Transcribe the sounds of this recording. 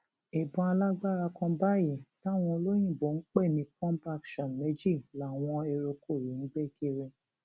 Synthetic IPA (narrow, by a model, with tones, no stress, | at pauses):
e˨bũ˨˧a˧la˦ɡ͡ba˦˨ɾa˧kɔ̃˧ba˦ji˨ta˦˨w̃ɔ̃˧lo˦j̃ĩ˦˨bo˨n̩˦k͡pe˦˨nĩ˧kɔ̃˦mpa˧kʃɔ̃˨n˨me˨˦d͡ʒi˦˨la˨w̃ɔ̃˧e˧ɾo˧ko˦˨ɾi˨˦n̩˦ɡ͡bɛ˦˨ke˦˨ɾe˧